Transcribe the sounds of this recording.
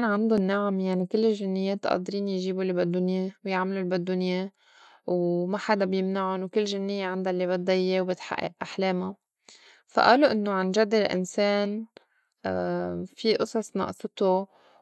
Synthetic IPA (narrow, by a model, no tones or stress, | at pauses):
ʔanaʕand̪ʊnːaʕmjaʕnikɪlːɪlʒɪnːɪjːeːt̪ʔɑ̰ːd̪ɾiːnjʒiːbulbad̪ːʊnjewjaʕmalulbad̪ːʊnje | wmaħad̪abjɪmnaʕʊnwkɪlːʒɪnːɪjːeʕand̪alːibɑt̪̚d̪ˤɑjːewbɪt̪ħa̰ʔːɪ̰ʔʔaħleːma | fa̰ʔaːluʔɪnːoʕanʒad̪ɪlʔɪ̰nseːn | fiʔʊsˤɑsˤnɑ̰ʔsˤɨt̪o